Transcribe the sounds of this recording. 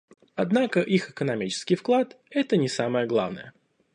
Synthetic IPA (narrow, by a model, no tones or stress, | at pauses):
ɐd̪nakəʔixɨkənɐmʲit͡ɕɪ̥skʲɪjfklˠat̪ | ɛt̪ənʲɪsaməjəɡlˠa̰vnə̰jə̰